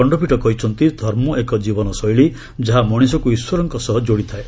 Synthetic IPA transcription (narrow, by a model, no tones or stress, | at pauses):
ɔɳɖɔpiʈɔkɔɦit͡ʃʰɔnt̪id̪ʱɔɾmɔʔekɔd͡ʒibɔnɔsɔjɭi | d͡ʒaɦamɔɽ̃isɔkuiswɔɾɔŋkɔsɔɦɔd͡ʒoɽit̪ʰae